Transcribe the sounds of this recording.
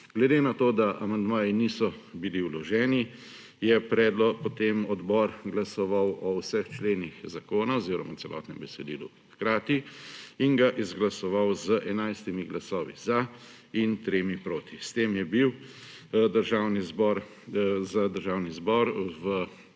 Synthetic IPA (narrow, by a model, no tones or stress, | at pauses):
ɡ̥lɛd̪eːnat̪oːd̪aʔamand̪maːjinisɔbiliuwlɔʒɛːni | jɛpɾɛːd̪lɔpɔt̪emɔd̪bɔɾɡlasɔʋawɔwsəxt͡ʃleːnixzakoːnaɔziːɾɔ̰matt͡s̪ɛlʔɔ̰ːt̪nɛ̰mbɛsɛd̪ḭːlṵ | xkɾaːt̪iiŋɡaʔizɡlasɔʋawzəʔɛnajst̪imiɡlasɔːʋḭza | int̪ɾeːmipɾoːt̪ist̪eːmjɛbiw | d̪əɾʒaːwnizbɔɾ | zad̪əɾʒaːwnizbɔɾʋə